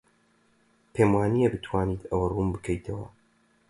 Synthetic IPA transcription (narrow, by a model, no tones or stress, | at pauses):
pʰemwaːnijebɨt̪ʰwaːniːt̪ɐwɐrumbɨkʰɐjt̪ʰɐwɐ̰